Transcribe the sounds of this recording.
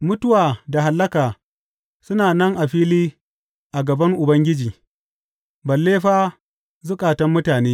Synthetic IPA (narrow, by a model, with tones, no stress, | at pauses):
mʊ˦tʊ˦waː˨da˨ɦa˨lːɐ˦kaː˨ | sʊ˦naː˨nɐ˦ŋʔa˨ɸiː˦liː˦ | ʔa˨ɡɐ˨bɐ˦ŋʔʊ˨bɐ˦ŋɡʲɪ˦d͡ʒiː˨ | bɐ˨lːeː˦ɸaː˦ | zʊ˦kʼaː˨tɐ˦mːʊ˦taː˨neː˦